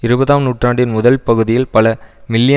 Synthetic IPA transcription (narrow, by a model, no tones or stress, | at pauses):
ɪɾɯbɐðaːmnuːʈraːɳɖɪnmʊðɐlpɐɣɯðɪjɪlpɐlɐmɪlːjɐ